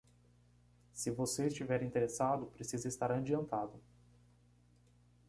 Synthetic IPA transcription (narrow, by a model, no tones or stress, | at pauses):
sɪvoseɪst͡ʃivɛɾĩt̪eɾesad̪ʊpɾesizɐɪst̪aɾɐ̃d͡ʒiɐ̃nt̪ad̪ʊ